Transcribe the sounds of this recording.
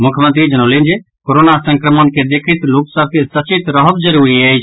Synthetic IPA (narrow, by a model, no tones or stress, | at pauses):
mʊkʰjmə̃nt̪ɾid͡ʒənəlind͡ʒe | koɾonasəŋkɾəmənked̪ekʰit̪loksəb̚ʱkesət͡ʃit̪ɾəɦəbd͡ʒəɾuːɾiejt͡ʃʰ